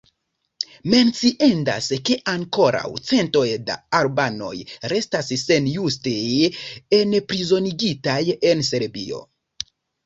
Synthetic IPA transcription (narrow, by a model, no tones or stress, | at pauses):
me̞nt͡siʔenda̰ske̞ʔaŋko̞ɾa̰wt͡se̞nto̞jda̰aɾbano̞̰jɾe̞stasse̞njustejenpɾizo̞niɡitaje̞nse̞ɾbḭo̞̰